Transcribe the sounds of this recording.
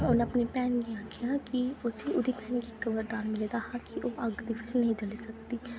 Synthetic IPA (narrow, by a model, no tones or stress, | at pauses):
ʊnəpniːpɛːnɡiaːkʰejãːkiʊseʔʊd̪iːpɛːnɡikəbəɾd̪aːnmɪleːd̪aːhãkiʔoːʔɐɡd̪iːʋɪt͡ʃnəɦĩːd͡ʒəlisəkd̪iː